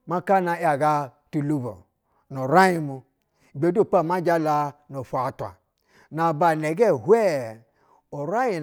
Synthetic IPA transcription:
ma˦ka˦na˨˦a˨ɡa˧tu˨lu˦bo̰˨ | no˨ɾa˦ji˧mu˨ | ɡ͡be˨˦du˦˨k͡pa˦˨ma˦d͡ʒa˦la˧no˨fa˨tʷa̰˨ | na˨ba˨ne˨ɡɛ˦˨hwɛ˦ | o˨ɾa˦ji˨

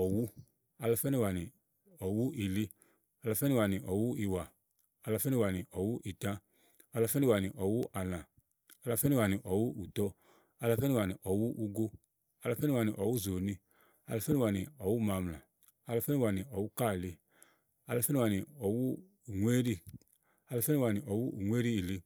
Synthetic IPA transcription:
ɔ˨wu˦ | a˧la˧fɛ˦nĩ˧˨wa˨nĩ˨ | ɔ˨wu˦ʔi˨li˦ | a˧la˧fɛ˦nĩ˦˧wa˨nĩ˨ʔɔ˨wu˦i˨wa˨ | a˧la˧fɛ˦nĩ˧wa˨nĩ˨ʔɔ˨wu˦ʔi˨tã˦ | a˧la˧fɛ˦nĩ˧wa˨nĩ˨ʔɔ˨wu˦ʔa˨lã˨ | a˧la˧fɛ˦ni˧wa˨nĩ˨ʔɔ˨wu˦u˨tɔ˧˦ | a˧la˧fɛ˦i˧wa˨nĩ˨ʔɔ˨wu˦ʔu˧ɡo˦ | a˧la˧fɛ˦ni˦˧wa˨nĩ˨ʔɔ˨wu˦˨zo˨nĩ˧ | a˧la˧fɛ˦nĩ˦˧wa˨nĩ˨ɔ˨wu˦ma˨˧mlã˨ | a˧la˧fɛ˦ni˧wa˨nĩ˨ɔ˨wu˦ka˦˨li˧ | a˧la˨˧fɛ˦nĩ˦˧wa˨ni˨ɔ˨wu˦ | u˨ŋʷ˦e˦ɾi˦ | a˧la˧fɛ˦ni˦˧wa˨ni˨ʔɔ˨wu˦ṵ˨ŋʷ˦e˦ɾi˦i˨li˧

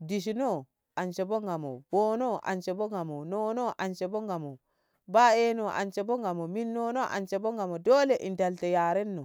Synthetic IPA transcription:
di˨ʃ̬i˨no˦ | a˨nt͡ʃe˨bo˦ŋɡa˨mo̰˨bo˦no˦ʔa̰˨nt͡ʃe˨bo˦ŋɡa˨mo˨no˦no˦ʔa˨nt͡ʃe˨bo˦ŋɡa˨mo˨ | baː˦e˦no˨ʔa̰˨nt͡ʃe˨bo˦ŋɡa˨mo˨mi˦nːo˦no˦ʔa̰˨nt͡ʃe˨bo˦ŋɡa˨mo˨doː˦le˨ʔḭ˨nda˨lte˨jaː˨ɾe˦nːo˨

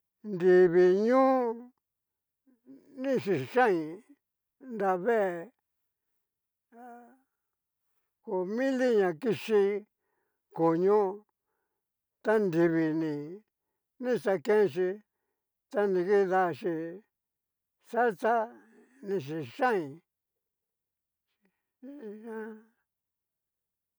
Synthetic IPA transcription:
nd̪i˨βi˨ɲũː˦ | nĩ˦˨ʂi˨ʂã˦ĩ˨ | nd̪a˧βe˦e˧˨ | ko˨mĩ˦li˦ɲã˨ki˧ʂi˧ | ko˨ɲũ˦ | t̪a˦nd̪i˧βi˨nĩ˨ | nĩ˦˧˨sa˧kẽ˦˧ʃ̬i˧ | t̪a˦nĩ˧ki˦ða˧ʃi˧ | sa˦t̪a˦ | nĩ˧ʃ̬i˧ʂã˦ĩ˨˧ | ã˦

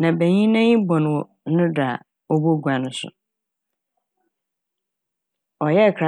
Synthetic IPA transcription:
nã˨bæ˨ɲĩ˦nã˦ɲĩ˦bɔ̃˨ñ˨wɔ˨˦ʊ̃˦da˨ | ɔ˦bo˦ɡu˨a˨nʊ̃˦sʊ̰˨ | ɔ˨jɛ˦˨kʰɾa˨

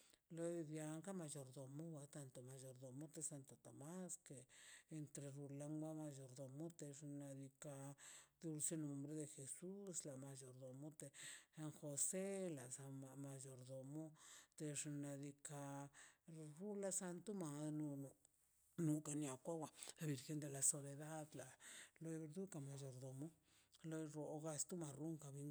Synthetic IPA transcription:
lo˦jbja˧ŋka˦ma˧jo˨ɾd̪o˨mo˦wa˧t̪a˧nt̪o˨ma˨jo˨˧ɾd̪o˨mo˦t̪e˧sa˧nt̪o˨t̪a˨ma˦skeː˧nt̪ɾe˧ɾu˧la˧ŋɡa˦ma˧jo˨ɾd̪o˨mo˦t̪e˧ʂna˧d̪i˧ka˧d̪u˧lse˦no˧mbɾe˦d̪e˧xe˧su˦sla˨ma˧d͡ʒo˨ɾd̪o˨mo˦t̪e˧a˧ŋxo˧se˦la˨sa˧a˧ma˧jo˨ɾd̪o˨mo˦t̪e˧ʐna˧d̪i˧ka˧ | ɾu˦la˧sa˧nt̪u˦ma˧˨nu˧ | nu˧ka˧nja˨kʷa˦wa˧la˧bi˨˧ɾxe˧˦nd̪e˧la˧so˧be˧d̪a˦d̪la˨lo˧e˧ɾd̪u˦ka˨ma˧jo˧ɾd̪o˨mo˦lo˧ɾo˨ɡa˧st̪u˦ma˨ɾu˦ŋka˧˨bi˧ŋ

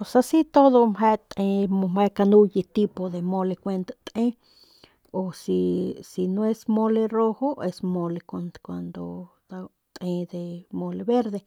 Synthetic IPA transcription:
posasi˦t̪o˦ðo˧mɦe˦t̪ʼe˧omhekanu˦jit̪i˦po˧d̪e˨mo˧le˧kʷe˧nt̪ḁt̪ʼẽ˦ | o˨sisi˨no˧esmo˦le˧ro˦hoe˧smo˧lekankʷand̪o̰d̪a | t̪ʼʔẽ˧d̪emo˧lebe˦ɾd̪e˧

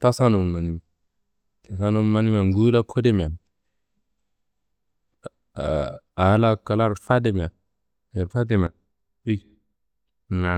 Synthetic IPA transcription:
ta˦sa˦nu˨m˨ma˨ni˦m˨ | ta˨sa˦nu˦m˦ma˦ni˦m˦a˨ŋɡu˦la˦kʰo˦de˦m˨a˨ | a˨˦la˦ka˨la˦ɾfa˦de˦˨mi˨a˨ | e˨ɾfa˦de˨m˨a˨ | bi˦˨ | na˨

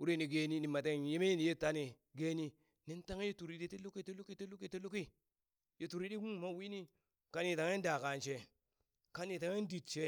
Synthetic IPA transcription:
u˦ɾe˦ni˨ɡe˦ni˦ni˨ma˨t̬e˦˨je˦me˦ni˨je˦ta˦ne˨ | ɡe˦ni˦ | ne˦nta˦ŋe˦je˦tu˨ɾi˦di˦te˦lu˦ki˦te˦lu˦ki˦te˦lo˦ki˦te˦lu˦ki˦ | je˦tu˨ɾi˦di˦ɡu˦˨ma˦wi˦ni˦ | ka˦ni˦˨ta˨ŋ˦e˦nda˨ka˨nt͡ʃe˨ | ka˦ni˨ta˨ŋ˦e˦n˦di˨tt͡ʃe˦

